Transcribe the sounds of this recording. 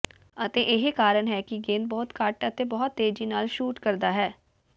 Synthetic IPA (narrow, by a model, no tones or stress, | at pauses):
ət̪eːʔɪɦekaːɾənɦɛːkiɡeːnbɔːt̪kaːʈət̪eːbɔɦʊt̪ːeːd͡ʒiːnaːlʃuːʈkəɾd̪aːɦɛː